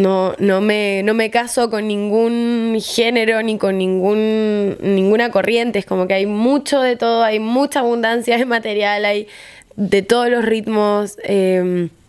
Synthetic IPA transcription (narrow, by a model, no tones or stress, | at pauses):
no̞no̞me̞no̞me̞kaso̞ko̞nːĩŋɡunxe̞ne̞ɾo̞niko̞nːĩŋɡunː | ĩŋɡunako̞rʔje̞nt̪e̞esko̞mo̞ke̞ajmut͡ʃo̞ðe̞t̪o̞ð̞oajmut͡ʃaːβ̞und̪ansjaðemat̪e̞ɾjalaj | d̪e̞t̪o̞ð̞oslo̞srit̪mo̞sem